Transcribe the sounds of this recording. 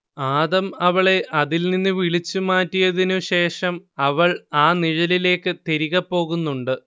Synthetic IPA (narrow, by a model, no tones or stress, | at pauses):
aːðɐmɐʋɐɭe̞ʔɐðilninːɨʋiɭit͡ɕːumaːtːijɐðinuɕe̞ːʂɐmɐʋɐɭaːniɻɐlile̞ːkːɨt̪e̞ɾiɣɐpːo̞ːɣunːuɳɖɨ